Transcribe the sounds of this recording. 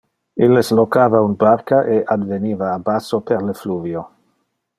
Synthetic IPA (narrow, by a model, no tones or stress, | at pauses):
ileslokaːvaunbarkaʔeʔad̪veniːvaːbasoperlefluːvjo